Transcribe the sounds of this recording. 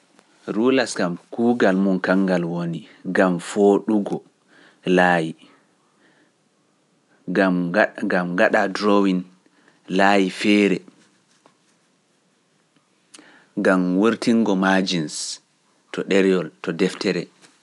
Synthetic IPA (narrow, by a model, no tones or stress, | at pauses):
ɾulasɡamkuːɡalmunkaŋɡalwoniɡamfoɗuɡɔ | laji | ɡaɡamɡaɗadɾowin | laːjifɛːɾɛ | ɡamwuɾtiŋɡɔmad͡ʒins | tʰɔɗɛɾjɔltɔdɛftɛɾɛ